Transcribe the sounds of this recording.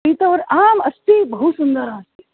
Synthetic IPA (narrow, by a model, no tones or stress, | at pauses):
it̪ɐʋɐɾaːmɐst̪ibɐɦusund̪əɾãːst̪i